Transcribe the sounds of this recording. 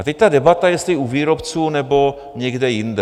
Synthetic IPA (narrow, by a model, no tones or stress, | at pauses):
at̪ɛct̪adɛbat̪ajɛst̪lɪuviːɾopt͡suːnɛbo̞ | ɲɛɡdɛjɪndɛ